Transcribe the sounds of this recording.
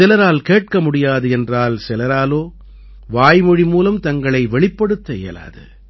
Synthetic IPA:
ɪlɐɾaːlkeːʈ̚kɐmʊɽɪjaːðɯɛndraːlsɪlɐɾaːloː | ʋaːjmɔɻimuːlɐmt̪ɐŋɡɐɭɐɪʋɛɭɪpːɐɽɯt̪ːɐḛːla̰ːðɯ̰

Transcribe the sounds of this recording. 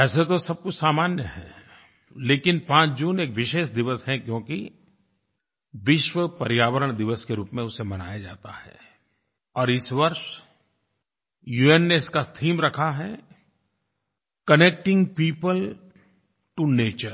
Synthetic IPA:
ɛːset̪osɐb̚kʊt͡ʃʰsaːmaːnjəɦɛ̰ː | leːkɪnpãːt͡ʃd͡ʒuːneːkʋɪʃeːʃd̪ɪʋəsɦɛkjõːki | ʋɪʃʋəpɐɾjaːʋəɾəɽ̃d̪ɪʋəskeɾuːpmẽʊsemɐna̰ːjad͡ʒa̰ːt̪ahɛ̰ː | ɔːɾɪsʋɐɾʃ | juːenːeɪskast̪ʰiːmɾɐkʰaɦɛ | kɐneːk̚ʈɪ̃ŋɡpiːpəl | ʈuneːt͡ʃəɾ

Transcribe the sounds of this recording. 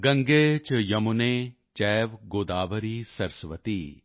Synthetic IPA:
ɡɐ̃ŋɡeːt͡ʃjɐmuneː | t͡ʃɛːʋɡoːd̪aːʋɐɾiːsɐɾsʋɐt̪iː

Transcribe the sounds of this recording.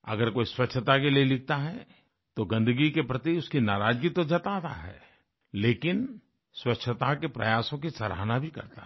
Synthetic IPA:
ɐ̰ɡəɾkoːiswɐtt͡ʃːʃʰət̪ak̬elielɪk̚ʰt̪aɦɛ | t̪oɡɐ̃nd̪əɡikepɾɐt̪iʊskinaːɾaːd͡ʒɡit̪od͡ʒɐt̪aːt̪a̰ɦɛ̰ː | leːkɪn | swɐtːʃʰət̪akepɾɐ̰jaːsõkisɐɾa̰ːnabʱikɐ̰ɾt̪a

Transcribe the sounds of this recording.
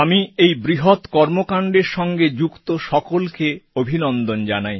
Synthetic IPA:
amiejbɾiɦot̪kɔɾmokaɳɖeɾʃɔŋɡed͡ʑukt̪oʃɔkolkeobʱinond̪ond͡ʑanaj

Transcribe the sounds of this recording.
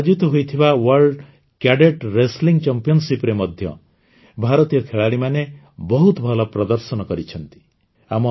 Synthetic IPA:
d͡ʒut̪ɔɦojt̪ʰibawɔɾɖ | kjaɖeʈɾesliŋt͡ʃampijɔnsipɾemɔd̪ʱjɔ̰ | bʱaɾɔt̪ijɔkʰeɭaɽimane | bɔɦut̪ɔbʱɔlɔpɾɔd̪ɔɾsɔnɔkɔɾit͡ʃʰɔnt̪i̥ | amɔ

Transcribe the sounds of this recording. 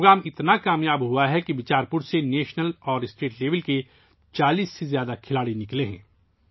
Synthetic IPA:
ɡɾaːmɪt̪nakaːmjaːbɦuaɦɛkiʋɪt͡ʃaːɾpʊɾseneːʃnəlɔːɾɪsʈeːʈleːʋəlke | t͡ʃaːliːsːezjaːd̪akʰɪlaːɽinɪkleɦɛ̰̃ː

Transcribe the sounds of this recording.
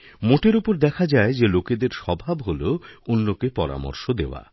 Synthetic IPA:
moʈeɾupoɾd̪ɛkʰad͡ʑaed͡ʑeloked̪eɾʃɔbʱabɦoloonːokepɔɾa̰mo̰ɾʃod̪eoa̰

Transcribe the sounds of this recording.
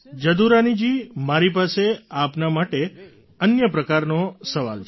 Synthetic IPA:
d͡ʒəd̪uɾanid͡ʒimaɾip̬aseapnamaʈe | ənjəpɾəkaɾnosəʋa̰lʰ

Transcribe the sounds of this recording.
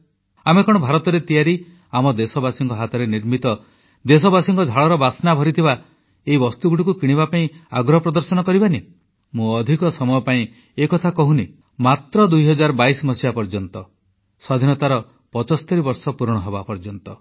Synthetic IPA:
amekɔɽ̃ɔbʱaɾɔt̪ɔɾet̪ijaɾi | amɔd̪esɔbasiŋkɔɦat̪ɔɾeniɾmit̪ɔ | d̪esɔbasiŋkɔd͡ʒʱaɭɔɾɔbasnabʱɔɾit̪ʰiba | eibɔst̪uɡuʈikukiɽ̃ibapaĩaɡɾɔɦɔpɾɔd̪ɔɾsɔnɔkɔɾibani | mũɔd̪ʱikɔsɔmɔjɔpaĩ | ekɔt̪ʰakɔɦũni | mat̪ɾɔd̪ujɦɔd͡ʒaɾbaismɔsibapɔɾd͡ʒɔnt̪ɔ | sɔd̪ʱinɔt̪aɾɔ | pɔt͡ʃɔst̪eɾibɔɾsɔpuɾɽ̃ɔɦɔbapɔɾd͡ʒɔnt̪ɔ

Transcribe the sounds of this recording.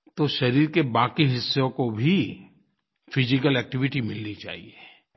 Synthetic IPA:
t̪oʃɐɾiːɾkebaːkiɦɪsːõkobʱi | fɪd͡ʒɪk̬əlɛːk̚ʈɪʋɪʈimɪlnit͡ʃa̰ːɦie

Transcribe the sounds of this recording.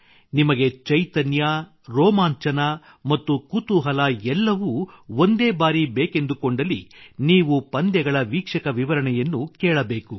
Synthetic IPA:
nimɐɡe̞t͡ʃɐjt̪ɐnja | ɾɔːmaːɲt͡ʃɐnɐ | mɐt̪ːukut̪uɦɐlɐɛlːɐʋuond̪eːbaːɾibeːke̞nd̪ukoɳɖɐliniːʋupɐnd̪jɛɡɐɭɐʋiːkʂɐkɐʋiʋɐɾɐɳɛjɐnːukɛːɭɐbeːku

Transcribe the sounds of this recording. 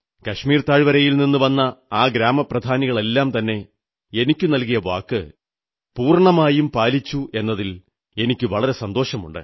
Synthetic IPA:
kɐʂmiːrt̪aːɻʋɐɾɐjilninːuʋɐnːɐaːɡɾaːmɐprɐd̪ʱaːniɣɐɭe̞lːaːmt̪ɐnːe̞ | e̞nikʲːunɐlkijɐʋaːkːɨ | puːrɳɐmaːjumpaːlit͡ɕːue̞nːɐðil | e̞nikʲːɨʋɐɭɐɾe̞sɐnd̪o̞ːʂɐmṵɳɖɨ̰

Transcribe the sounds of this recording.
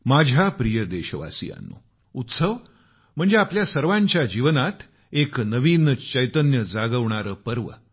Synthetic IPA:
mad͡ʑʱapɾijəd̪eɕəʋa̰sḭja̰nːṵ | ut̪səʋ | m̤əɳd͡zeapljasəɾʋãɲt͡ɕjad͡ʑiʋnat̪ | eknəʋint͡ɕəjt̪ənjəd͡zaɡəʋɳ̃aɾəːpəɾʋə

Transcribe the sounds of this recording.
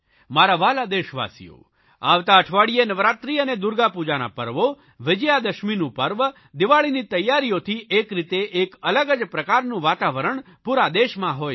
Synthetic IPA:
maɾaʋalad̪eʃʋa̰sḭjo̰ | a̰ʋt̪aəʈʰʋaɽijenəʋɾat̪ɾiəned̪uɾɡapud͡ʒana̰pəɾʋo | ʋɪd͡ʒəjad̪əʃminũpəɾʋ | d̪ɪʋaɭinit̪əjːaɾijot̪ʰiʔekɾit̪eʔːkələɡəd͡ʒpɾəkaɾnũʋat̪aʋəɾəɳ | puɾad̪eʃmãɦoj

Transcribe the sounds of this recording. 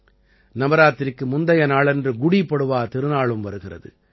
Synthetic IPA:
nɐmɐɾaːt̪ːɪɾɪkːɯmʊnd̪ɐjɐnaːɭɛndrɯɡʊɽipːɐɽɯʋaːt̪ɪɾɯnaːɭɯmʋɐɾɯɣɪrɐ̰ðɯ̰

